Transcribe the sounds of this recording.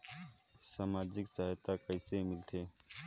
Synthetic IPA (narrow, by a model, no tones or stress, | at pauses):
saːmaːd͡ʒɪksɐɦajt̪akəɪsemɪlt̪ʰeː